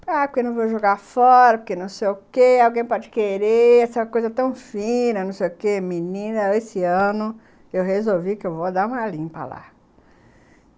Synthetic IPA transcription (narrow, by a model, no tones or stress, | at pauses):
apʊɾkenɐ̃w̃voʒoɡafɔɾɐpʊkenɐ̃w̃sejʊkeawɡẽj̃pɔd͡ʒɪkeɾeɛsɐkojzɐt̪ɐ̃w̃fĩnɐnɐ̃w̃sejʊkemĩnĩnɐesɪɐ̃nʊ | ewɦezowvikɪewvod̪aɾũɐlĩpɐ̰la̰